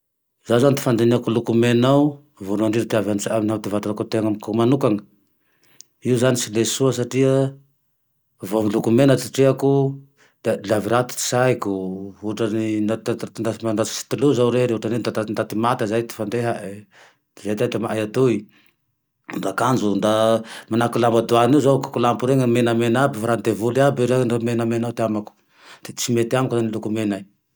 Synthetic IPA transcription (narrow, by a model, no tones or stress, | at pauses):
zazanit̪i̥fand̪eneakulukumenaw | vuɾaɳɖ͡ʐiɾt̪iavant͡saminawt̪ivat̪unakut̪eŋamkumanukaŋə | iuzanisilesuəsaʈ͡ʂiə | vomilukumenat̪iʈ͡ʂeaku | d̪̥elaviɾat̪i̥i̥sajkuuʈ͡ʂaninat̪nd̪amaɖ͡ʐat͡ssi̥t̪uluzawɾeɾeuʈ͡ʂanend̪aand̪at̪imat̪azajt̪i̥fand̪eɦae | zajd̪aʈ͡ʂamaʔajat̪ui | nɖ͡ʐakand͡ʒund̪amanakulambad̪uaniuzawkḁkulampuɾeŋamenamenabifaɾand̪evuliabiɾenamenamenat̪eamaku̥ | t͡simet̪iamaknanilukumenaj